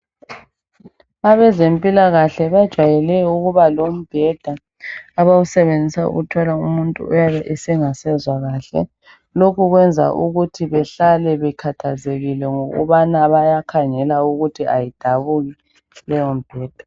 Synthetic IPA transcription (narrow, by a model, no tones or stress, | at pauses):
aβɛzempʼilaɣaɬɛβad̥ʒ̥ʱwajɛlɛuɣuβalom̩b̥ʱɛd̥ʱaː | βausɛβend͡zʱisaṵɣutʰwalaumuntʼṵːjaβɛʔɛsɛŋasɛzwaɣaːɬɛ̰ | lokʰuɣwɛnd͡zʱa̰ʔuɣutʰiβɛɬalɛβɛkʰatʰazeɣilɛŋoɣṵβanaβajakʰaŋɛlauɣutʰiʔajid̥ʱaβuɣi | lɛjɔm̩b̥ʱɛːd̥ʱḁ